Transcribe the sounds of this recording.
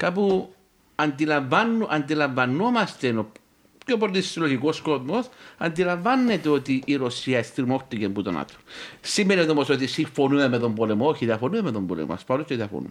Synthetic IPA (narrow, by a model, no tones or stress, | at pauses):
kapu | ɐnd̪ilaɱvanːuʔand̪ilaɱvanːomast̪eno | copoɾt̪issiloçikoskoðmosɐnd̪ilaɱvanːet̪eot̪iʔːɾosiɐest̪iɾmoxt̪ikembut̪o̰na̰t̪o̥simːeniot̪omosot̪isiɱfonuemeðombolemoçiðɐfonuemeðombolḛma̰spalost̪ot̪iafo̰nṵ